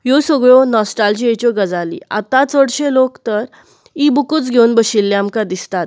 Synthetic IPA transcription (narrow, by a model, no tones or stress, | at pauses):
josəɡɭɔnɔsʈald͡ʑiet͡ɕɔɡəd͡zalḭa̰t̪ãt͡səɽɕelokt̪əɾ | ibukut͡sɡʱewunbəɕilːeamkad̪ist̪at̪̚